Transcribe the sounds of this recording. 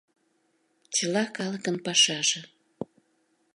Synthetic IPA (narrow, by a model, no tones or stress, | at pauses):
t͡ɕəlɑkɑlə̆kənpɑʃɑʒĕ